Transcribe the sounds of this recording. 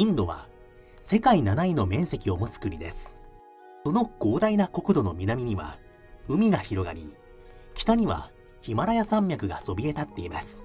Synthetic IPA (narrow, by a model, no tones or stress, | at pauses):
ĩnd̪o̞βa̰ | se̞kainanaino̞mẽ̞ɰ̃se̞kʲio̞mo̞t͡sɨ̥kɯ̟ɾʲid̪e̞̰sɨ̥ | so̞no̞ɡ̥o̞ːd̪ainako̞kɯ̟d̪o̞no̞mʲinamʲiɲ̟iβa̰ | ɯ̟mʲiɡaçiɾo̞ɡa̰ɾʲi | kʲi̥t̪aɲ̟iβa̰ | çimaɾajasãmːʲjakɯ̟ɡa̰so̞bʲie̞t̪at̪ːe̞imasɨ̥